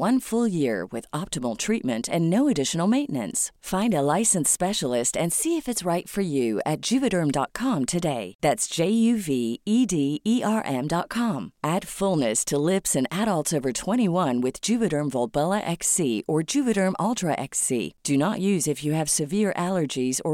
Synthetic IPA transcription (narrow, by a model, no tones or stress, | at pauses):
wʌ̃nfʊlˠjɪɹwɪ̰ðɑp̚təml̩ˠtʰɹ̥it̚mɨ̃ntɨ̃nːoʊɨdɪʃn̩l̩ˠmẽɪ̃nɨ̰̃nsfãɪ̃ndəlaɪsɨ̃nspɛʃl̩ˠɪstɨ̃nsiɨfɨtsɹaɪtfə˞jʉɨ̰t̚d̥ʒ̥ʉvɨɾɜ̃˞mdɑ̰t̚kʰɑ̃mtʰɨdeɪðætsd̥ʒ̥eɪjʉviidiiʔɑɹʔɛ̃mdɑt̚kʰɑ̃mʔæd̥fʊlˠnɨstʰəlɪpsɨ̃næɾəlˠtsoʊvə˞tʰw̥ɛ̃ɾ̃iwʌ̃nwɨð̥d͡ʒʉvɨɾə̃˞ɱvɔlˠbɛlˠəʔɛksiʔə˞d͡ʒʉvɨɾə̃˞mʔɑlˠtʰɹəʔɛ̰ksḭd̥ɨnəʔjʉzɨfjɨːv̥sɨvɪɹʔælˠə˞d͡ʒizə